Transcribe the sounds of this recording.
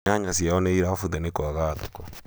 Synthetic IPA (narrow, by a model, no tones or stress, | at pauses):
aɲasjaɔnɛiɾafuðɛnekoaɣaðukɔ